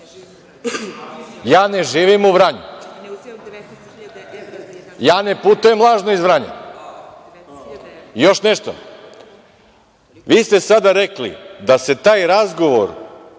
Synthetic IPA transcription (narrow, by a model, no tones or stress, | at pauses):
jaːne̞ʒiːʋimuʋɾaɲṵ | jaːne̞put̪ujemlˠaːʒnoizʋɾaɲḛ | jo̞ʃneʃt̪o̰ | ʋiːst̪esad̪aɾeklḭd̪ase̞t̪aːjɾazɡo̞ʋo̰ɾ